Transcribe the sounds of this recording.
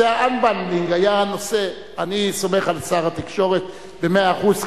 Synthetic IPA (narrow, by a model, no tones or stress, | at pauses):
eaanbanliŋɡajano̞se | aniso̞me̞χalsaʁat̪ikʃo̞ʁet̪ | bemeaːχuz